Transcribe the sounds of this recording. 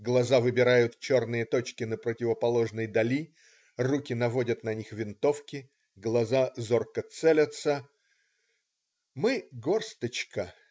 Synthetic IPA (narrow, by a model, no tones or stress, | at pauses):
ɡlˠɐzavɨbʲɪɾajʊt̪t͡ɕo̞rnɨjət̪o̞t͡ɕkʲɪnəpɾətʲɪvəpɐlˠo̞ʐnəjd̪ɐlʲi | rukʲɪnɐvo̞dʲət̪nɐnʲixvʲɪnt̪o̞fkʲɪ | ɡlˠɐzazo̞rkət̪sɛlʲət̪sə | mɨɡo̞rst̪ət͡ɕkə